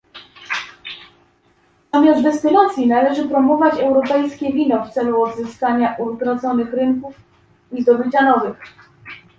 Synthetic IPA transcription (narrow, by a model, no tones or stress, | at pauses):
ɔmʲjazvɛst̪ɘlat̪sʲjinalɛʐɘpɾɔmɔvat͡ɕɛwɾɔpɛjskʲɛvʲinɔft̪sɛluɔd̪zɘskaɲaʔuvɡɾɔd̪zɔnɘxɾɘŋkuf | vʲizd̪ɔbɘt͡ɕanɔvɘx